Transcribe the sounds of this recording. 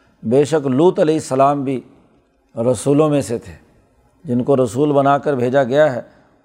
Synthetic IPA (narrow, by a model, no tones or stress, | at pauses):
beːʃəkluːt̪ɐlɛɪsːəlaːmbʱi | ɾɐsuːlõmẽset̪ʰeː | d͡ʒɪnkoɾɐsuːlbɐnaːkəɾbʱeːd͡ʒaɡɐjaɦɛː